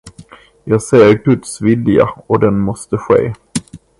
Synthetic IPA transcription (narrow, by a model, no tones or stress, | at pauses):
jɑːɡseːjəɾɡɵt̪svɪlja̰ɔd̪ɛnmɔst̪əɧḛː